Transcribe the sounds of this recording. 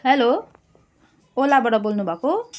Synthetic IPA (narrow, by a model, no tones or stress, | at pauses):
ɦelo | olabaʈʌbolnubʱʌko